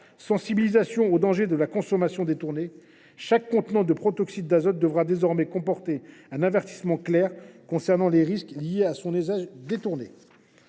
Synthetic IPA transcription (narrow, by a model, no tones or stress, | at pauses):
sɑ̃sibilizasjɔ̃od̪ɑ̃ʒed̪əlakɔ̃sɔmasjɔ̃d̪et̪uʁne | ʃakːɔ̃t̪nɑ̃d̪əpχɔt̪ɔksid̪̚d̪azɔt̪̚d̪əvʁad̪ezɔʁmɛkɔ̃pɔʁt̪eɛ̃navɛʁt̪i̥smɑ̃klɛʁkɔ̃sɛʁnɑ̃leʁisklijeasɔ̃nyzaʒd̪et̪uʁnḛ